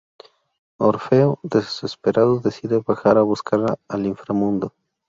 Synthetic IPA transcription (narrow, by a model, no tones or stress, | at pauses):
oɾfe̞od̪esespeɾaðoðe̞siðe̞βaxaɾaβuskaɾlaaliɱfɾamũnd̪o